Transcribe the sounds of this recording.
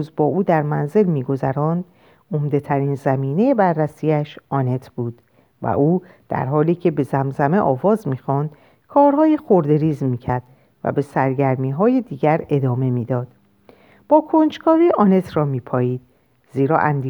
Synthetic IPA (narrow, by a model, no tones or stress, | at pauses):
uzbɒːʔuːd̪æɾmænze̞lmiːɡo̞zæɾɒːnd̪ | omd̪e̞t̪ʰæɾiːnzæmiːnejebærːæsiːæʃɒːne̞t̪ʰb̥uːd̪̥ | væ̰ʔuː | d̪̥æ̰ɾɦɒːliːcʰe̞be̞zæmzæme̞ʔɒːvɒːzmiːxɔːnd̪ | kʰɒːɾɦɒːjexoɾd̪e̞ɾiːzmiːcʰæɾd̪̥ | væ̰be̞sæɾɟæɾmiːɦɒːjed̪iːɟæɾe̞d̪ɒːme̞miːd̪ɒːd̪̥ | b̥ɒːkʰond͡ʒkʰɒːviːʔɒːne̞t̪ʰrɒːmiːpʰɒːjiːd̪̥̚ | ziːɾɒ̰ːʔæ̰nd̪i